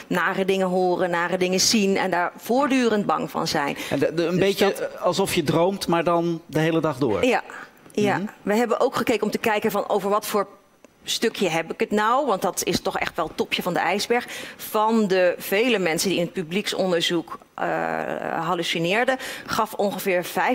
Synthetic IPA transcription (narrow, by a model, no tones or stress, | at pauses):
naːrədɪŋəɦoːrənːaːrədɪŋəzinɛ̰ndaːɹv̥ʊːɹdyːrən̚bɑ̰ŋvɑ̰nzɛjnəndbejəɑlˠsɔfjədrowmtmaːɹdɑndəɦejlədɑχdʊ̰ːɹja | jaʋəɦɛbənʔowkχəkejkəɔmtəkɛjkənvɑnʔo̰wvəɹʋɑtfoːɹ | støkʰjəɦɛpɪkətnawʋɑntdɑtɪstɔχɛ̰χtʋɛlˠtɔpʰjəvɑndəɛjzbɛɹχfɑndəv̥ejləmɛnsəndiɪnət̚pybliksɔndəɹzuk | ɦalusinɪːɹdəχɑfɔnχəvɪːɹv̥ɛj